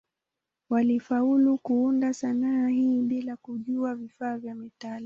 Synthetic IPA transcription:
walifaulukuundasanaahiːɓilakuʄuavifaːvjamitala

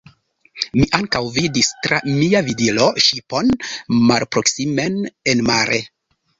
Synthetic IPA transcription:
miʔaŋkawvidistɾa̰miavidilo̞ʃipo̞nmalpɾo̞ksime̞nenmaɾʔe

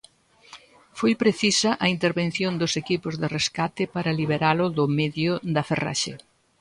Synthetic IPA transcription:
fojpɾeθisɐʔɐint̪eɾβen̟θjond̪ʊsekipʊzðɪreskat̪ɪpaɾɐliβeɾalʊðʊmeðjʊðɐfera̰ʃḛ

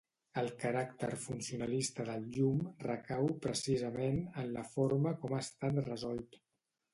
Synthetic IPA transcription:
əlˠkəɾakt̪ə̰ɾfunsiunəlist̪əðəlˠʎumrəkawpɾəsizəmenənləfoɾməkɔmast̪at̪rəzɔlˠt̪

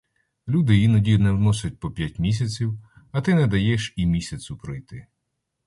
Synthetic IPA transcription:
lʲud̪ɪjjinɐdʲijʊnɛwnɔsʲɛt̚ʲpɔpʲjatʲmʲis̬ʲɐt͡sʲiw | ɐt̪ɪnɛd̪ɐjɛʃimʲisʲɐt͡sʲʊpɾɔjt̪ɪ

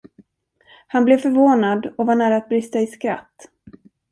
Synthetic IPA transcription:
hanblɛvfœɾvoːnad̪ɔvaɳæːɾaːt̪̚bɾɪst̪aɪskɾa̰t̪ː

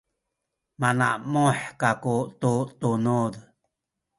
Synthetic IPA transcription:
mana̰ʔmõħkakut̪ut̪unud̪

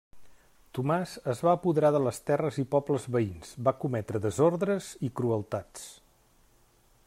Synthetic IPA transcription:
t̪umazəzβaːpuðəɾaðələst̪ɛrəzipɔbləzβəinzbakumɛt̪ɾəðəzoɾðɾəzikɾuəlˠt̪at͡s

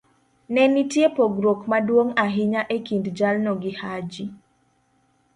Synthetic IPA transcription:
nɛnitjepoɡɾokmadwoŋaɦɪɲaʔekindd͡ʒalnɔɡɪhad͡ʒi

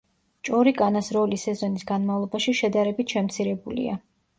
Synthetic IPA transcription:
t͡ʃʼɔɾikʼanasɾɔlisɛzɔnisɡanmavlˠɔbaʃiʃɛd̪aɾɛbit̪ʰʃɛmt̪sʰiɾɛbulḭa̰

